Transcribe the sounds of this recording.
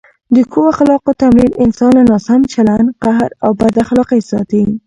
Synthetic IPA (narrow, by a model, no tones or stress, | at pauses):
d̪əkʰowaxlɑqot̪amɾinɪnsɑnlanɑsamt͡ʃalanqaɦɾawbad̪axlɑqajsɑt̪i